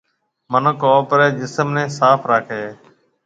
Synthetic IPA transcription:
mənəkoːpɾeːd͡ʒɪsəmnẽːsaːpʰɾaːkʰeː

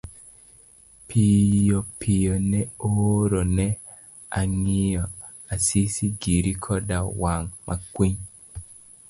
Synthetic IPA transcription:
pʰijɔpʰijɔnɛoɾonɛ | aŋijɔ | asisiɡiɾikʰɔdawaŋmʔakwiɲ

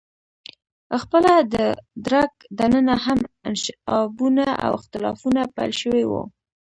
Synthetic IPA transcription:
xpəlad̪əd̪ɾak̚d̪anənaɦamɪnʃɪɑbunaʔa̰wɪxt̪ɪlɑfunapa̰jlʃəwewo̰

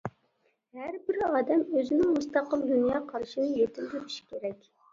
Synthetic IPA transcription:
hæɾbɪɾɑːd̪ɛmøzɪnɪŋmust̪ɑqəlˠd̪unjɑːqʰɑɾʃinɨjet̪ʰɪld̪ɪpʰi̥ʃkʲʰeɾɛkʲ

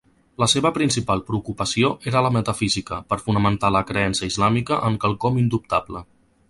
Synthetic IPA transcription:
ləseβəpɾinsipalˠpɾəukupəsioʔeɾələmət̪əfizikəpəɾfunəmənt̪aləkɾəɛnsəizlamikəʔəŋkəlˠkɔmind̪up̚t̪ablə

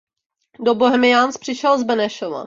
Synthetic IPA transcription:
doboɦɛmɪjanspr̝̥ɪʃɛlzbɛnɛʃova̰

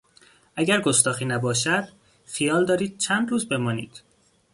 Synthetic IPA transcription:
ʔæɟæɾɡost̪ɒːxiːnæbɒːʃæd̪̥ | fijɒːld̪ɒːɾiːd̪̥̚t͡ʃʰænd̪ɾuːzbe̞mɒːnḭːd̪̥

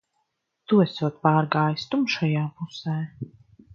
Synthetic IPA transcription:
t̪uɛsuɔt̪̚paːɾɡaːjst̪umʃajaːpusɛː

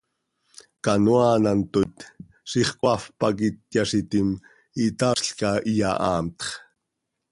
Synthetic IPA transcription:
kɑnuɑːnant̪ot̪ | siχkʼwɑfpɑk̬it̪̚jɑʃit̪im | it̪ɑʂɬkɑʔijɑʔɑːmt̪χ

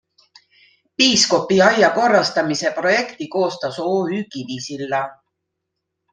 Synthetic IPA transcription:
piːsko̞pːiɑjɑko̞rːɑst̪ɑmise̞pro̞je̞kt̪iko̞ːst̪ɑso̞ːyːkiviːsilːɑ

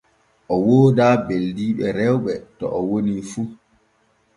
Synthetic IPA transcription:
ʔɔwoːdaːbeldiːɓɛɾɛwɓɛtɔ̰ʔɔwonifu

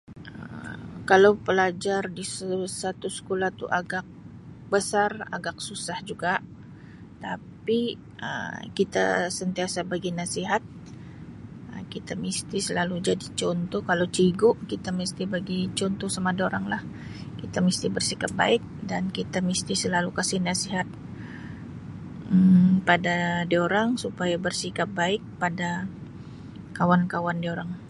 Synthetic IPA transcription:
ə̰kalawpəlad͡ʒardissat̪usə̥kolat̪ṵʔaɡak̚ | bəsara̰ɡak̚susahd͡ʒuɡa | t̪api | ʔə̰kit̪a̰sənt̪iasabaɡinasiɦat̪̚ | ə̰kit̪amist̪isəlalud͡ʒadit͡ʃɔnt̪ɔkalawt͡ʃiɡʊʔkit̪amist̪ibaɡit͡ʃɔnt̪ɔsamadioɾaŋlah | kit̪amist̪ibərsikap̚ba̰ɪk̚dankit̪amist̪isəlalukasihnasiɦat̪̚ | padadioɾaŋsupajabərsikap̚baɪk̚pada | kawankawandioɾaŋ

